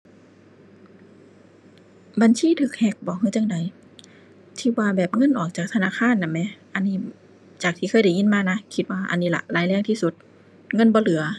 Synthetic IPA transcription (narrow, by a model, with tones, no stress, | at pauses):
ba˧˨nsiː˧˥˨t̪ʰɯː˧˩k̚hɛ˧˩k̚bɔː˨˦ɦɯː˧˨t͡ɕa˧˥ŋda˨˩j | t̪ʰiː˧˩waː˧bɛː˨˩p̚ŋɤ˧˥˨nʔɔː˨˩k̚t͡ɕaː˨˩k̚t̪ʰa˧naː˧˥˨kʰaː˧˥˨nːa˧˩mɛ˧ʔa˧nːiː˧˩˨ | t͡ɕaː˨˩k̚t̪ʰiː˧˩ɤː˧˥˨jda˨˩˦jŋi˧˥˨nmaː˧˨na˧˥kʰi˧t̪̚waː˧ʔa̰˧˨nːiː˧˥˨la̰˧ʔlaː˨˦jlɛː˧˩˨ŋt̪ʰiː˧˩su˧˦t̪̚ | ŋɤ˧˥˨nbɔː˧˦lɯ˨˩˦ɐ